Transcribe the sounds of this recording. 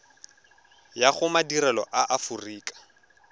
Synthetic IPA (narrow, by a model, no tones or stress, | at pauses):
jaχʊmadiɾɛlɔ̰ʔaʔafuriːkʼḁ